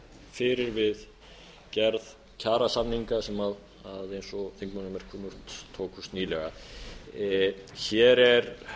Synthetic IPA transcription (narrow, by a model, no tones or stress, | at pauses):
fɪɾɪɾvɪð | cɛɾð | cʰaːɾasanːiŋkasɛmað | aðejnsɔθeŋkmanʏmɛɾ̥kʰɔːmʊr̥t̪t̪ʰːoːkʏst̪niːlɛɣa | çɛɾɛɾ